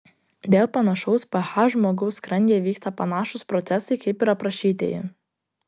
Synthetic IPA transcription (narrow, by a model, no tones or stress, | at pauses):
d̪ʲeːlˠpɐnɐʃɔʊspɐhɑʒmoːɡɐʊskɾɐŋʲɡʲeːʋʲiːkst̪ɐpɐnɑːʃʊspɾɔt̪sʲɛsɐɪkɐɪpɪɾɐpɾɐʃʲiːt̪ʲḛːjɪ̰